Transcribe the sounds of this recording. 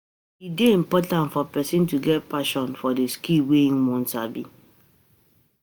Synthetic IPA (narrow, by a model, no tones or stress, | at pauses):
ideĩmpɔtãntfɔpɛsĩntuɡɛtpaʃɔ̃nfɔdeskilweĩnmɔ̃nsabḭ